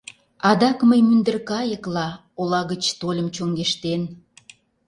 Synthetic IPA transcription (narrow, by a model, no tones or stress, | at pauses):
ɑd̪ɑkməjmynd̪ərkɑjəklɑ | olɑɣət͡ɕt̪olʲəmt͡ɕoŋɡeʃt̪en